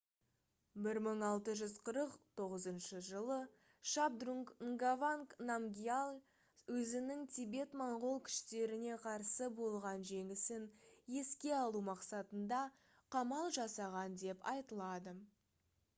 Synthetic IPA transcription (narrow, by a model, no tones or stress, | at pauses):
bɪɾməɴɑlˠt̪əʒʏzqʰəɾəqt̪ʰo̞ʁəzənʃəʒəlˠə | ʃabd̪ruŋkŋɡavaŋknamɡʲijal | wɵzɪnɪŋt̪ʲʰibe̞t̪mɑɴʁolˠkʲʰɪ̥ʃt̪e̞ɾɪne̞qʰɑɾsəbo̞lˠʁɑnʒe̞ŋɪsɪnje̞skʲe̞ɑlˠumɑqsɑt̪ənd̪ɑ | qʰɑmɑlˠʒɑsɑʁɑnd̪e̞pɑ̰jt̪əlˠɑd̪ə